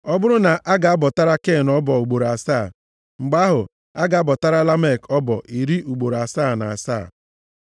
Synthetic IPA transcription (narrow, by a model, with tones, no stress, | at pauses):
ɔ˦bʊ˦ɾʊ˦na˨ʔa˦ɡa˨a˦bɔ˨ta˦ɾa˦ke˦˨nɔ˦bɔ˨u˨ɡ͡bo˨ɾa˨saː˦˨ | ŋ͡m̩˨ɡ͡ba˦ɦʊ˨ | a˦ɡa˨˦bɔ˨ta˦ɾa˦la˦me˦˨kʰɔ˦bɔ˨ʔi˨ɾi˦ʔu˨ɡ͡bo˨ɾa˨saː˦˨na̰˨a˨sa̰ː˦˨